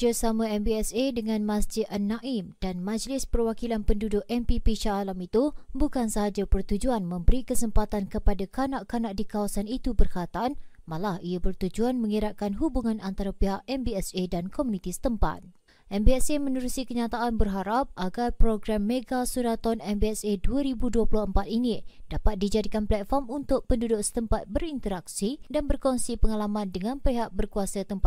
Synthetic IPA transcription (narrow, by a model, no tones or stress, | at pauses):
d͡ʒasamãɛmbiɛsedəŋãnmãsd͡ʒɪt̪̚ʔənːãʔimd̥anmãd͡ʒlɪspərwakilanpəndudʊʔɛmpipiʃaːlamit̪ubukansaɦad͡ʒapərt̪ud͡ʒuanmə̃mbəɾikəsəmpat̪ankəpadakanaʔkanaʔ̚dikawasanit̪ubərkat̪aan | mãlahiabərt̪ud͡ʒuanmə̃ŋiɾaʔ̚kanɦubuŋãnant̪aɾapeɦaʔɛmbiɛsedankɔmunĩt̪isə̥t̪əmpa̰t̪̚ | ʔɛmbiɛsemə̃nuɾusikəɲat̪aʔanbərɦaɾap̚ʔaɡarpɾoɡɾamːeɡasuɾat̪ɔnɛmbiɛseduaɾibuduəpulʊhəmpat̪̚inid̥apat̪̚did͡ʒadikanplɛt̪̚fɔrmunt̪ʊʔ̚pəndudʊksə̥t̪əmpat̪̚bəɾint̪əɾak̚sidanbərkɔŋsipəŋalamãndəŋãnpeɦaʔ̚bərkuasat̪əmpa